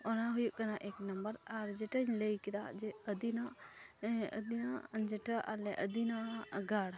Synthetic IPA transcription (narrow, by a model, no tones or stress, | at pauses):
ɔnaɦujuʔ̚kanaʔɛknəmbəɾaɾd͡ʒɛʈəɲləjkɛd̪aʔd͡ʒɛəd̪inaʔ | ə̰d̪inad͡ʒɛʈəʔalɛʔəd̪inaɡaɽ